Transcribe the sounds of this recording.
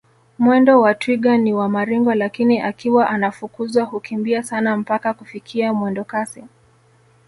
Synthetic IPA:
mwɛndɔwatwiɡaniwamaɾiŋɡɔlakiniʔakiwaʔanafukuzwahukimbiasanam̩pakakufikʰiamwɛndɔkasi

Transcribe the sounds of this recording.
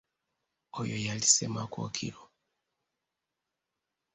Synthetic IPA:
ojojali̥sɛmako̰kʰḭɾo

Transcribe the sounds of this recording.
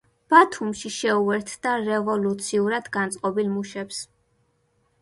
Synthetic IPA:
b̥at̪ʰumʃiʃɛuɛɾt̪ʰd̪aɾɛvɔlut̪sʰiuɾad̪ɡant̪sʼqʼɔbilmuʃɛps

